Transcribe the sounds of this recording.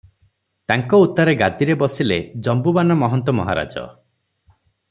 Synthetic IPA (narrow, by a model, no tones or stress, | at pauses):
t̪aŋkɔut̪ːaɾeɡad̪iɾebɔsiled͡ʒɔmbubanɔmɔɦɔnt̪ɔmɔ̰ɦa̰ɾa̰d͡ʒɔ̰